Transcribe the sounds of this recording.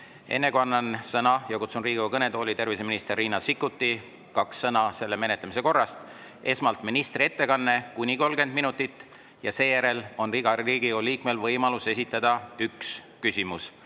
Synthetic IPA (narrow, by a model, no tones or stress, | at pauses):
e̞̰nːe̞kuɑnːɑnsɤnɑjɑkut̪sunriːɡ̥iɑkɤne̞t̪o̞ːlit̪e̞rviseminist̪erːiːnɑsikˑːut̪ːi | kɑksːɤnɑse̞lːe̞me̞net̪lemise̞ko̞rːɑst̪ | e̞smɑlt̪minist̪rie̞t̪ːe̞kɑnːe̞kunʲiko̞lɡe̞nd̪minut̪ːˑit̪ːˑ | jɑse̞ːjæɾe̞lo̞nriɡɑriːɡ̥ioliːkme̞lvɤjmɑluse̞s̬ʲit̪ːˑɑd̪̥ɑyks | kysʲimus